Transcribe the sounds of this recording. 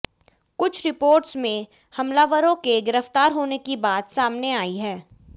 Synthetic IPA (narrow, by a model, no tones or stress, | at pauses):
kʊt͡ʃʰɾɪpoːɾʈsmẽ | hɐmlaʋəɾõkeɡɪɾəft̪aːɾɦoːnekibaːt̪saːmneaːiɦɛː